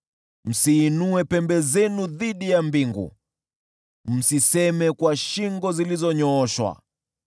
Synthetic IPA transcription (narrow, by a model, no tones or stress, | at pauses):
m̩siːnuɛpɛmbɛzɛnuðiɗijambiŋɡṵ | m̩sisɛmɛkwaʃiŋɡɔzilizɔɲɔːʃwa̰